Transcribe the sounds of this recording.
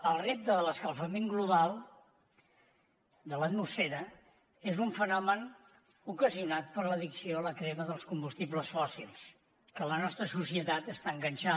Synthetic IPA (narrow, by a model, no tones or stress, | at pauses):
əlˠrep̚t̪əðələskəlˠfəmeŋɡluβ̞alˠ | d̪ələt̪musfɛɾə | ezuɱfənɔmən | ukəziunat̪̚pəɾləðiksioləkɾɛməðəlˠskumbust̪ibləsfɔsilˠs | kələnɔst̪ɾəsusiət̪at̪əst̪aəŋɡənʲt͡ʃa